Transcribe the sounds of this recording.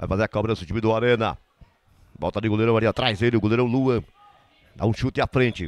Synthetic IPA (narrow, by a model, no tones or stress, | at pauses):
va̰jfazeɐkɔbɾɐʊsɪ̃t͡ʃimɪd̪ʊaɾẽnɐ̰ | bɔ̰wt̪ad̪ɪɡoleɾɐ̃w̃aɾẽnɐt̪ɾajzelɪʊɡoleɾɐ̃w̃luɐ̃ | d̪a̰ũʃut̪ɪafɾẽnt͡ʃɪ